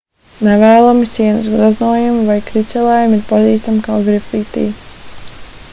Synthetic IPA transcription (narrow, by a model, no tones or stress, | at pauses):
nɛvɛːlˠɔmit̪siɛnɐsɡɾaznuɔjumvajkɾisʲɛlˠɛːjumiɾpaziːst̪amkawɡɾifiːt̪ḭː